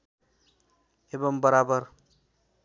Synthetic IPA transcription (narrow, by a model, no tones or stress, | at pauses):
ebʌmbʌɾabʌɾ